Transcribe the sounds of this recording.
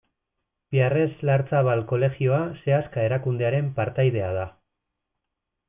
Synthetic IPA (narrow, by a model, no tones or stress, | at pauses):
biare̞zlaɾt͡saβalko̞le̞ɣio̞ase̞askae̞ɾakund̪e̞aɾe̞mpaɾt̪ajðe̞að̞a